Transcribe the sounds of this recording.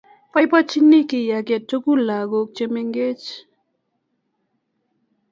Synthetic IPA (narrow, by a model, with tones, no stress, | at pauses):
pa˦jpat͡ʃinːi˦ki˨jakɛ˨tːo˦ku˦la˨ɡok̚t͡ʃemeŋɡe˦t͡ʃ